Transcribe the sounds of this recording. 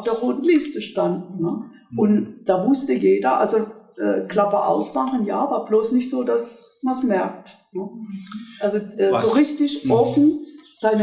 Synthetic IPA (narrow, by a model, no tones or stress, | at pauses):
fd̥eːɐʁoːtn̩lɪstəʃtand̩nə | ʔʊntd̥aːvʊstəjeːdɐʔa̰lzoʔɛ̰ːkl̥apɐʔa̰ʊfmaχən̩jaːvaːɐbloːsnɪçtz̥oːdasmansmɛɐk̚tnə | ʔalzoʔɛːzoʁɪstɪʃʔɔfn̩z̥aɪnə